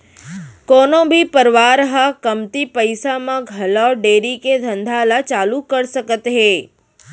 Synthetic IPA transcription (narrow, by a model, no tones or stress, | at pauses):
kɔnobʱipəɾʋaɾɦakəmt̪ipəjsamãɡʱəlaɖeɾiked̪ʱə̃nd̪ʱalat͡ʃalũkəɾʃəkət̪ɦe